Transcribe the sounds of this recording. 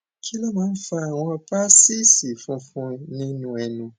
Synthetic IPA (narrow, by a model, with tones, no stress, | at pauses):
kʰi˦lɔ˦mã˨˦n̩˦fa˦˨w̃ɔ̃˦˧pa˦si˦si˨fũ˧fũ˧nĩ˦nũ˨ɛ˨nũ˨